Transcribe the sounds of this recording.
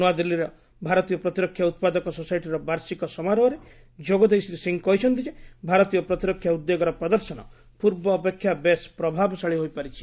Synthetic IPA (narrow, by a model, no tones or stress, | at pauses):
nuad̪ilːiɾɔ | bʱaɾɔt̪ijɔpɾɔt̪iɾɔkʰːjaut̪̚pad̪ɔkɔsɔsajʈiɾɔbaɾsikɔsɔmaɾɔɦːɾe | d͡ʒoɡɔd̪ejsiɾisiŋkɔɦit͡ʃʰɔnt̪ʰid͡ʒebʱaɾɔt̪ijɔpɾɔt̪iɾɔkʰːjaud̪ːeɡɔɾɔpɾɔd̪ɔɾsɔnɔ̰ | puɾbɔːpekʰːjabespɾɔbʱabɔsaɭiɦojpaɾit͡ʃʰi̥